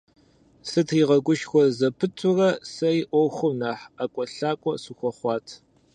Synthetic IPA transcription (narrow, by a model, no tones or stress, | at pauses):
sɨtʰiːʁɐɡʷʊʃxʷɔzɐpʰɨtʷʰʼʊrɐsɐjʔʷɔwxʷʊmnaːħakʷʼɔɬaːkʷʼɔsuxʷɔχʷɑːtʰ